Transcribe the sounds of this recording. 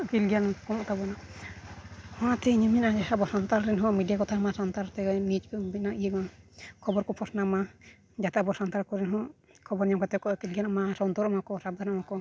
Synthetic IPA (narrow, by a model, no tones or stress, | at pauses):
kilɡijankɔnɔʔt̪abɔna | hɔ̃at̪ɛɲəmiʔad͡ʒasabɔsɔnt̪aɾɾɛnɦɔ̃miɖijakɔt̪ʰamasant̪aɾt̪ɛnit͡ʃbinaʔijəkakʰɔbɔɾkɔpʰɔsnama | d͡ʒat̪aʔbɔsant̪aɾkɔɾɛnɦɔ̃ | kʰɔbɔɾɲɔmkɛt̪ɛkɔkilɡijanamasɔnt̪ɔɾamakɔsab̚d̪ʱanamakɔ